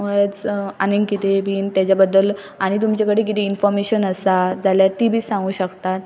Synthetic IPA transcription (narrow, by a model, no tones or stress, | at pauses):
məɾet͡saniŋɡkit̪ebʱiːnt̪jat͡ɕjabəd̪ːəl | aɽ̃it̪̬umt͡ɕakəɽiːk̬it̪einfɔɾmeɕənəsad͡zaljaʈibiːsãŋɡũːɕəkt̪at̪̚